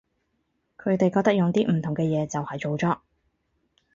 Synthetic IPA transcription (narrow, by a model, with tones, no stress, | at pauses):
kʰɵ˨˧ɥt̪e˨jkɔː˧k̚t̪ɐ˥k̚jʊ˨ŋt̪iː˥m̩˨˩t̪ʰʊ˨˩ŋkɛː˧jɛː˨˧t͡sɐ˨whɐ˨jt͡so˨wt͡sɔː˧˥k̚